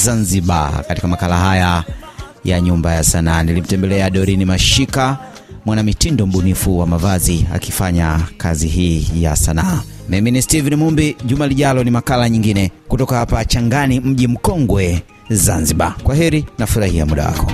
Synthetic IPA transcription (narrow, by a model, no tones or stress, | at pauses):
zanziɓa̰kati̥kamakalaɦaja | jaɲumbajasanaːnilim̩tɛmbɛlɛaɗɔɾinimaʃika | mwanamitindɔm̩ɓunifuwamavazia̰kifaɲakaziɦiːja̰sanaːmiministivinimumbiʄumaliʄalɔnimakalaɲiŋɡinɛkutɔkahapat͡ʃaŋɡanim̩ʄim̩kɔŋɡwɛ | zanziɓakwaɦɛɾinafuɾahiamuɗa̰wa̰kɔ